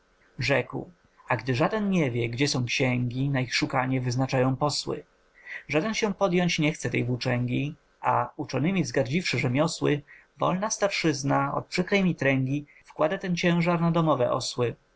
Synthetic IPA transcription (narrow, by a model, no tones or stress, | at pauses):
ʐɛkw | aɡd̪ɘʐad̪ɛnɲɛvʲjɛɡd͡ʑɛsɔ̃w̃kɕɛŋɡʲinaixʂukaɲɛvɘznat͡ʂajɔ̃w̃pɔswɘ̰ | ʐad̪ɛnɕɛ̃pɔd̪jɔɲt͡ɕɲɛxt̪sɛt̪ɛjvut͡ʂɛŋɡʲi | a̰ut͡ʂɔnɘmʲizɡaɾd͡ʑifʂɘʐɛmʲjɔswɘ | vɔ̰lnast̪aɾʂɘznaɔ̰t̪̚pʂɘkɾɛjmʲit̪ɾɛŋɡʲi | fkwad̪at̪ɛnt͡ɕɛ̃w̃ʐaɾnad̪ɔmɔvɛ̰ʔɔ̰swɘ